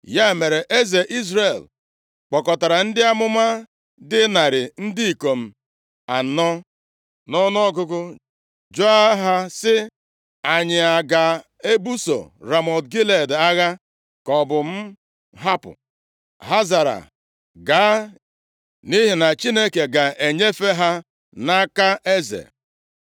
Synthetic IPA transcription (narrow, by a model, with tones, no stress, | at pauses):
ja˦e˨me˨ɾe˨ʔe˦ze˨ʔi˦z̬ɾe˨l | k͡pɔ˨kɔ˨ta˨ɾa˨n̩˦dɪ˦a˦mʊ˦ma˦ | dɪ˦na˨ɾɪ˨n̩˦dɪ˦i˨ko˨m̩˨ | a˨n̩ː˦ɔ˦ | nɔ˦nɔ˦ɡʊ˦kʊ˦ | d͡ʒo˦a˦ɦa˦sɪ˦ | a˨ɲɪ˨a˨ɡa˨ | e˦bu˦so̰˨ɾa˨mɔ˨dɡi˦le˨da˦ɣa˦ | kɔ˨bʊ˨m̩˦ | ɦa˦pʊ̰˨ | ɦa˦za˨ɾa̰˨ | ɡa˨˦ | ni˦ɦi˨na˨t͡ʃi˦ne˦ke˨ɡa˨ʔe˨ɲe˦fe˦ɦa˦ | na˦ka˦ʔe˦zḛ˨